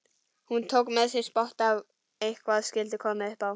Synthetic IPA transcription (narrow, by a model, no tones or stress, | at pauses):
hunt̪ʰowkmɛðsɪspɔht̪aw | ejhkvaðskɪlt̪ɪkʰɔmɛʏhpaw